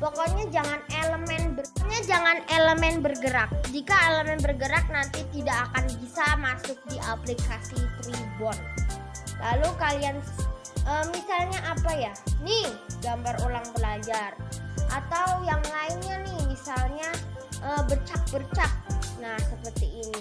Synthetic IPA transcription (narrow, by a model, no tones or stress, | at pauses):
pɔkɔɲad͡ʒaŋaneləmɛnbərɔɲad͡ʒaŋaneləmɛnbərɡəɾak̚d͡ʒikaeləmɛnbərɡəɾak̚nant̪it̪idakːkanbisamasʊk̚diʔaplikasit̪ɾibɔn | lalukalian | ʔəmisalɲaʔapajanɪhɡambarolaŋbəlad͡ʒarʔa̰t̪awjaŋlaɪnɲanɪhmisalɲaʔəbərt͡ʃak̚bərt͡ʃak̚nahsəpərt̪iːni